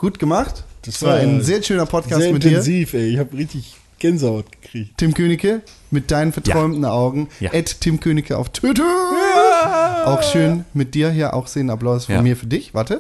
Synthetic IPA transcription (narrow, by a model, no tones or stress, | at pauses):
ɡ̥uːtɡ̥əmaχtd̥sv̥aːɐaɪnzeːɐʃøːnɐpʰɔt̚kʰaːsɐmɪtd̥iːɐziːfɛɪɪçhaːpʁɪçtɪç | ɡ̥ɛnzəɔtɡ̥ə̥kʁ̥iːçttʰɪmkʰøːnɪçə | mɪt̚d̥aɪnənfɛɐtʁ̥ɔʏmtn̩aʊɡŋ̩ʔɛttʰːɪmkʰøːnɪçəa̰ʊftʰwɪtə | ʔaʊxʃøːnmɪt̚d̥iːɐɦiːɐʔa̰ʊxz̥eːnaplaʊsfɔnmiːɐfyːɐdɪçv̥aɐtə